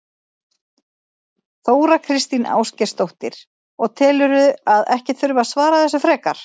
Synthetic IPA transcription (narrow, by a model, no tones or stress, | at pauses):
θoːwɾakʰɾɪst̪ina̰ːwscɛ̥st̪owht̪ɪɾ̥ | ɔɣt̪ʰɛːlʏɾʏaðɛhcɪt̪fʏɾvasvaːɾaθɛsʏfɾɛːkaɾ̥